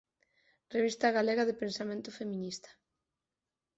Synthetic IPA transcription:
reβist̪ɐɣaleɣaðepensamẽnt̪ʊfemĩnist̪ɐ̥

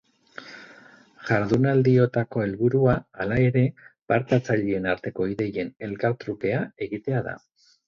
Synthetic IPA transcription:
ʝaɾðunald̪io̞t̪ako̞e̞lβuɾuaːlae̞ɾe̞paɾt̪at͡saʎie̞naɾt̪e̞ko̞iðe̞je̞ne̞lkaɾt̪ɾuke̞ae̞ɣit̪e̞aða̰

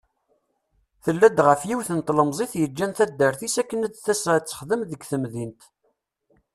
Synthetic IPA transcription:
θəlːæd̪ʁəfjiwθənt̪ləmzˤeθjəd͡ʒːænθæd̪ːəɾθisækːənæd̪θæsɾat͡sːə̥χðəmðəɡθəmðint̪

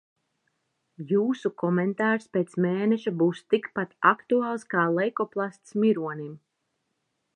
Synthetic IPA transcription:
juːsukɔmɛnt̪aːɾspeːt̪smeːnɛʃabuːst̪ikpat̪akt̪uaːlˠskaːlˠɛjkɔplˠast̪smiɾuɔnim

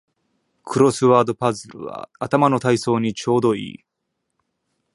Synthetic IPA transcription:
kʰɯ̟ɾo̞sɨβaːd̪o̞pazɨɾɯ̰βa̰at̪amano̞t̪aiso̞ːɲ̟it͡ɕo̞ːd̪o̞ḭː

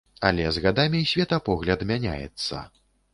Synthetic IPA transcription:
a̰lʲɛzɣad̪amʲisʲvʲɛt̪ɐpɔɣlʲɐd̪mʲanʲa̰jɛ̰t̪sːɐ̰

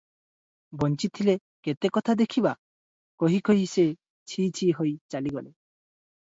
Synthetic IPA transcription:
bɔnt͡ʃit̪ʰile | ket̪ekɔt̪ʰad̪ekʰiba | koɦikoɦise | t͡ʃʰit͡ʃʰiɦojt͡ʃaliɡɔle

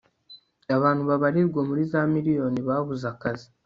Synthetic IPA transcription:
aβaːnhuβaβaɾiɾɡwamuɾizamiɾijo̞niβaβuzakazi

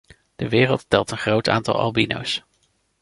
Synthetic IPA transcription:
d̥əʋɪːrəlˠttɛlˠtənχrowta̰ːntɑ̰lˠʔɑ̰lˠbino̰ws

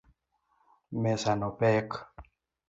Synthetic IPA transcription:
mesanopek

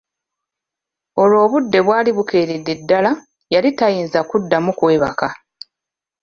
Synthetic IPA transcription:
o̞lo̞ːβudːe̞βwaːliβuke̞ːɾidːedːala | jalitajiːnzakudːamukwe̞ːβa̰ka

